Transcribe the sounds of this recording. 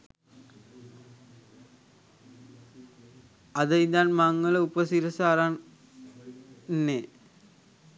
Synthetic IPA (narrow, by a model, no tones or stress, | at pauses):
ɐðɐjd̪aːnmɐŋːɐɭɐupɐsiɾɐsaːɾan | nːe